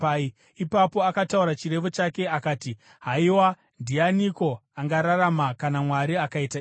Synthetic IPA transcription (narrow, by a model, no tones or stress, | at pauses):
ipapo̞akatauɾat͡ʃire̞ʋot͡ʃake̞akaːti | ɦaiwa | ndianiko̞aŋɡaɾaɾamakanamwaɾiakaita